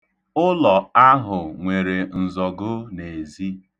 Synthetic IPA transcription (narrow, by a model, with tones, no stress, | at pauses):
ʊ˦lɔ˨a˦ɦʊ˨ŋʷe˨ɾe˨n̩˨zɔ˨ɡʊ˦ne˨zi˦